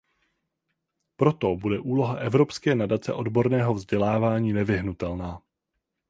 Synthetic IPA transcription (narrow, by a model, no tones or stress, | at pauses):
pɾo̞t̪o̞budɛʔuːlo̞ɦaʔɛvɾo̞pskɛːnadat͡sɛ̰ʔo̞dbo̞ɾnɛːɦo̞vzɟɛlaːvaːɲiːnɛvɪɦnut̪ɛlnaː